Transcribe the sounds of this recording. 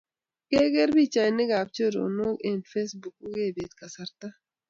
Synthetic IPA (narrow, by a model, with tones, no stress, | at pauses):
ke˦ɡe˦ɾbi˦t͡ʃa˨nːe˦ɡaː˨b̚t͡ʃo˦ɾo̰˨no˦e˨nfe˦sbu˨k̚u˦ɡe˦˨beː˨t̪kɐ˨sɐ˦ɾt̪a˦